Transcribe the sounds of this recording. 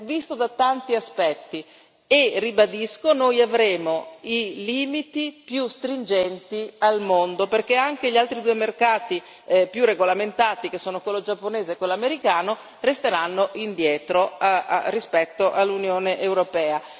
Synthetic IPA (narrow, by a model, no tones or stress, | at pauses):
vist̪od̪at̪ant̪iaspɛt̪ːi | eribad̪iskonojavɾeːmoiliːmit̪ipjust̪ɾind͡ʒɛnt̪ialmond̪operkeaŋk̟eʎialt̪ɾid̪uːemerkaːt̪i | pjureɡolament̪aːt̪ikesːoːnokwelːod͡ʒapːoneːzeːkːwelːameɾikaːno | rest̪eɾanːoʔind̪jɛːt̪ɾoaa̰rːispɛt̪ːoʔalːunjoːneʔewɾopɛːa